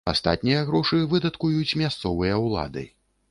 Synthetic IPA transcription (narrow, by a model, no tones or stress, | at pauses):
a̰st̪a̰t̪̚ʲnʲijɐɣɾɔʂɨvɨd̪ɐt̪kujut͡sʲmʲast̪sɔvɨjɐwlˠa̰d̪ɨ̰